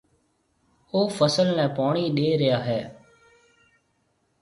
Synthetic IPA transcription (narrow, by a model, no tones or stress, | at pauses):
oːfəsəlnɛ̃ːpaːɳ̃iːɗeːɾɪjaːɦɛː